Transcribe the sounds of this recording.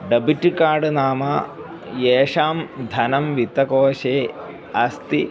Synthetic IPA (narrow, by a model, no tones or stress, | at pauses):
ɖɐbiʈːikaːɖɨnaːmɐ | jeːʂaːmd̪ʱɐnɐmʋit̪ɐkoːʃeː | ɐst̪i